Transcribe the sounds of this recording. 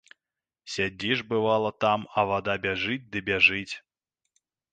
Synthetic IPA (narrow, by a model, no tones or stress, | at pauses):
sʲad͡zʲiʐbɨvalˠɐt̪amɐvad̪abʲaʐɨt͡sʲd̪ɨbʲaʐɨt͡sʲ